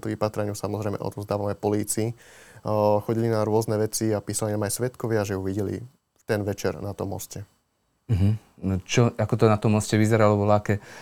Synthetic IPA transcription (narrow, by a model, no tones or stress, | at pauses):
t̪uʋipat̪ɾɛɲusamɔzɾɛjmɛʔɔ̰t̪ɔzd̪aːʋanɛpɔliːt͡siː | xɔɟilinaɾʊɔznɛʋɛt͡siapiːsalinamajsʋɛt̪kɔʋɪaʒɛjuʋiɟɛlḭ | t̪ɛnʋɛt͡ʃɛɾnat̪ɔ̰mːɔ̰scɛ | m̩ɦ̩ | t͡ʃɔakɔt̪ɔnat̪ɔmːɔscɛʋizɛɾalɔbɔlakɛ